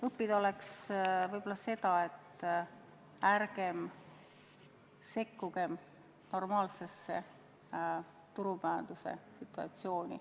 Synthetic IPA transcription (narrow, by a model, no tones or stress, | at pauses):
ɤpːid̪o̞le̞ksvɤjb̥olːɑse̞d̪̥ɑe̞t̪ː | ærɡ̥e̞m | se̞kːuɡ̥e̞m | no̞rmɑːlse̞sːe̞ | t̪uɾupæɑnd̪̥use̞̰sit̪ːˑuɑ̰t̪sio̞ːnʲḭ